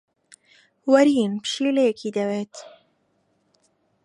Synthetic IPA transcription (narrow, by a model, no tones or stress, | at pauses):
wɐɾiːnpɨ̥ʃiːlejekʰiːd̪ɐweːt̪